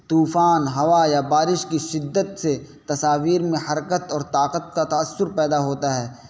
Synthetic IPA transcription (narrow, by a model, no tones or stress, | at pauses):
t̪uːfaːnɦɐʋajabaːɾɪʃkiʃɪd̪ːət̪se | t̪ɐsaːʋiːɾmẽhɐɾkət̪ɔːɾt̪aːqət̪̚kat̪ɐːsːʊɾpɛːd̪aɦoːt̪aɦɛː